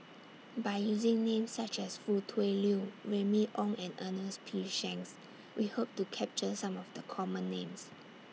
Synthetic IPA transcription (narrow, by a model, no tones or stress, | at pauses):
baɪjuzɪ̃ŋnẽmsːat͡ʃɛsfutʰweljuɹɛmiʔɔ̃ŋɛ̃nənəspʰiʃɛ̃ŋs | wʔihop̚tukʰɛp̚t͡ʃəsãmɔfdəkʰɔmə̃nːẽms